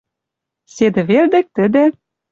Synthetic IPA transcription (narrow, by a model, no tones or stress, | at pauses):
sed̪ɘ̆βeld̪ĕk̚t̪ɘ̆d̪ɘ̆